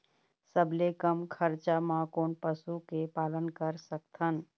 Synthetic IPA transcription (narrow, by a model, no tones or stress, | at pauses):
səblekəmkʰəɾt͡ʃamãkoːnpəsukepaːlənkəɾsək̚t̪ʰən